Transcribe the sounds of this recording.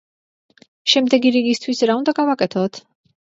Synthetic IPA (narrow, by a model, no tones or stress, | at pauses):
ʃɛmd̪ɛɡiɾiɡist̪ʰwisɾaund̪aɡavakʼɛt̪ʰɔt̪ʰ